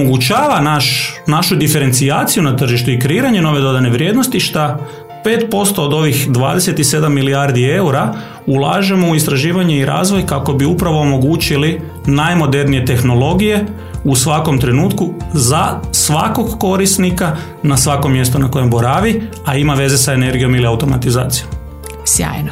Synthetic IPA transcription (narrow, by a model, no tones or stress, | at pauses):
omoɡut͡ʃaːʋanaʃnaʃud̪ife̞ɾe̞nsiaːt̪sijunat̪r̩ʒiʃt̪uikɾeiːɾaɲe̞no̞ʋe̞d̪o̞d̪ane̞ʋɾje̞ːd̪no̞st̪iʃt̪a | pe̞ːt̪po̞st̪o̞ːd̪o̞ʋixd̪ʋaːd̪e̞se̞t̪ise̞d̪amːiliaɾd̪ie̞uɾa | ulˠaːʒe̞mo̞uist̪ɾaʒiːʋaɲe̞iɾʔa̰ːzʋo̞jkako̞biupɾaʋo̞ːmo̞ɡuːt͡ɕili | najmo̞d̪e̞ɾnije̞t̪e̞xno̞lo̞ɡije̞ | usʋako̞mt̪ɾe̞nuːt̪kuzasʋako̞ɡːo̞ɾisnika | nasʋako̞mːje̞st̪unako̞je̞mboɾaːʋi | aimaʋe̞ze̞sae̞ne̞ɾɡijo̞miliawt̪o̞ma̰t̪izaːt̪sijo̞m | sja̰ːjno